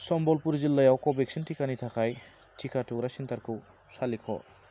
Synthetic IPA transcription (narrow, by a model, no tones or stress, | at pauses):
sɔmbɔlpuɾzilːajawkɔbek̚sintʰikanit̪ʰakʰaj | tʰikatʰukɾasint̪aɾkʰɯw | salikʰɔ̰